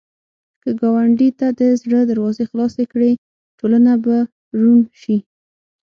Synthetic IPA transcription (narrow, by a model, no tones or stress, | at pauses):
kəɡɑwaɳɖit̪ad̪əzɽəd̪aɾwɑzexlɑsekɽe | ʈolanaba | ɾunʃi